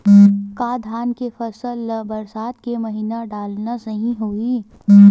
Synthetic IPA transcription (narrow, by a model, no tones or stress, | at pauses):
kaːd̪ʱaːnkefɐsəlbɐɾsaːt̪kemɐɦiːnaɖaːlnasɐɦĩɦoːiː